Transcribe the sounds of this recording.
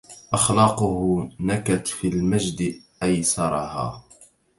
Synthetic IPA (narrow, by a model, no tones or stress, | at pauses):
ʔɑxlɑːqʊhʊnakat̪filmaʒd̪ʔajsɑɾˤɑha̰ː